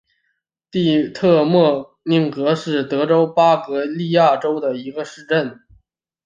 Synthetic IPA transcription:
t̪i˥˧t̪ʰɤ˥˧mwɔ˥˧ | ni˥˩ŋkɤ˧˥ʂɻ̩˥˩t̪ɤ˧˥ʈ͡ʂo˥ʊpa˥kɤ˧˥li˥˧ja˥˩ʈ͡ʂo˥ʊd̪ə˨˩i˧˥ɡə˧ʂɻ̩˥˧ʈ͡ʂə˥˩n

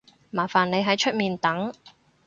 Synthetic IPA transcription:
maː˨˩faː˨˩nne˨˧jɦɐ˨˥jt͡ʃʰɵ˥t̚miː˨nt̪ɐ˨˥ŋ

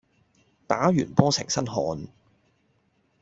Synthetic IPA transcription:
t̪aː˨˥jyː˨˩npɔː˥sɪ̰˨˩ŋsɐ˥nɦɔː˨˧n

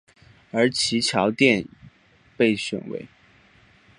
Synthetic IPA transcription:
ə˞˧˥t͡ɕʰi˧˥t͡ɕʰjɑ˧˥ʊt̪jɛ˥˧n | pe˥˩ɪɕʊ̰˨˩ŋwḛ˧˥˦ɪ

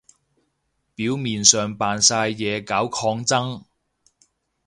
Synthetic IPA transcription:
piː˨˥wmiː˨nsœː˨ŋpaː˨nsaː˧jːɛː˨˧kaː˨˥wkʰɔː˧ŋt͡sɐ˥ŋ

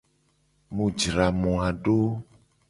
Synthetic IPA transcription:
mũ˨d͡ʒɾa˨mɔ̃˨a˨ɖo˦

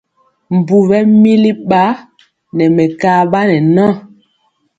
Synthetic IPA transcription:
m˨bu˨bɛ˦mi˦li˦ɓa˦ | nɛ˨mɛ˨kaː˦ɓa˦nɛ˨nã˦˨

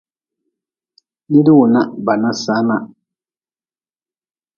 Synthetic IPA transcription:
ni˦di˦wʊ˨na˦˨ba˨nã˦sa˨˦na˨

